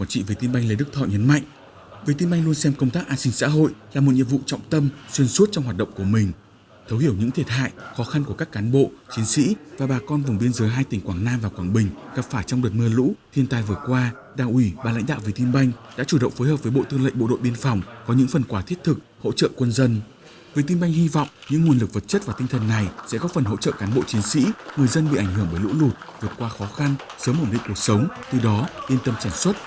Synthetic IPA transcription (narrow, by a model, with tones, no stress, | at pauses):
kwaː˧˩nt͡ɕḭ˧˨ve˨˩t̪i˧nɓa˧jŋlə˨˧˦ɗɨ˦˥k̚t̪ʰɔ̰˧˨jɲə˨˦nma̰˧˨jŋʔ | vi˨˩˦t̪i˧nɓa˧jŋ̟lu˧ənsɛ˧mkə˧wŋ͡mt̪aː˦˥k̚ʔaː˧nsï˧ŋ̟sa̰ː˧˥ɦo̰˧˨jlaː˨˩mo˨˩t̚ɲḭ˧˨vṵ˧˨t͡ɕwŋ͡mt̪ə˧mswi˧ənsu˦˥t̚t͡ɕɔ˧wŋ͡mhwaː˨˩t̚ɗə̰˧˨ŋ͡mku˧˩əmï˨˩ŋ̟ | t̪ʰə˨˦whi˧˩əwɲɨ̰˧˥ŋt̪ʰi˧˩ət̚ɦa̰ː˧˨jxɔ˨˦xa˧nku˧˩əkaː˦˥kːaː˨˦nɓo̰˧˨t͡ɕi˨˦nsḭ˧˥vaː˨˩ɓaː˨˩kɔ˧nvʊ˨˩ŋ͡mɓi˧ənzəː˨˦jɦaː˧jt̪ï˨˩ŋ̟kwaː˧˩ŋnaː˧mvaː˨˩kwaː˧˩ŋɓï˨˩ŋ̟ɣa˨˩p̚faː˧˩jt͡ɕɔ˧wŋ͡mɗə˨˩t̚məː˧lṵ˧˥t̪ʰi˧ənt̪aː˧˩jvɨ˨˩əkwaː˧ | ɗaː˨˩ŋʔwi˧˩ɓaː˨˩l̰ŋ̟ɗa̰ː˧˨wvi˨˧˩t̪i˧nɓa˧jŋ̟ɗa̰ː˧˥t͡ɕu˧˩ɗə̰˧˨ŋ͡mfoː˨˦jhəː˨˩vəː˨˦jɓo̰˧˨t̪ɨ˧ə˧ŋlə̰˧˨jɓo̰˧˨ɗo̰˧˨jɓi˧ənfɔ˨˩wŋ͡mkɔ˨˦ɲɨ̰˧˥ŋfə˨˩nkwaː˧˩t̪ʰət̚t̪ʰɨ˨˩k̚ho̰˧˥t͡ɕə̰ː˧˨kwə˧nzə˧n | vi˨˩t̪i˧nɓa˧jŋ̟hi˧vɔ̰˧˨wŋ͡mɲɨ̰˧˥ŋu˨˩ənlɨ˨˩k̚və˨˩t̚t͡ɕə˦˥t̚vaː˨˩t̪ï˧ŋ̟t̪ʰə˨˩nːa˨˩jsɛ̰˧˥kɔ˨˦fə˨˩nɦo̰˧˥t͡ɕə̰ː˧˨kaː˨˦nɓo̰˧˨t͡ɕi˨˦nsḭ˧˥ŋɨ˨˩əjzə˧nɓḭ˧˨ʔa˧˩jŋ̟hɨ˧˩əmɓəː˧˩jlṵ˧˥lu˨˩t̚vɨ˨˩ət̚kwaː˧xɔ˨˦xa˧nsəː˨˦mːo˧˩nlḭ˧˨ŋku˨˩ək̚sə˨˦wŋ͡mt̪ɨ˨˩ɗɔ˨˦li˧ənt̪ə˧msaː˧˩nswə˦˥t̚